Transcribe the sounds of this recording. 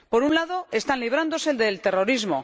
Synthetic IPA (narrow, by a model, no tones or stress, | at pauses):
po̞ɾunlaðo̞e̞st̪anliβ̞ɾand̪o̞se̞ld̪elt̪e̞ro̞ɾizmo̞̰